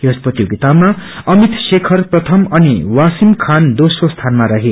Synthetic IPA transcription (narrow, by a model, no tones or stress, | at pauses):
jospʌt̪joɡit̪abmaʌmit̪sekʰʌrprʌt̪ʰʌmʌniwasimkʰand̪osost̪ʰanmaɾaɦe